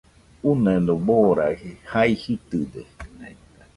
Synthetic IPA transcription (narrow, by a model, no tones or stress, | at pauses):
unẽnd̪oboɾahihaihit̪ɨd̪e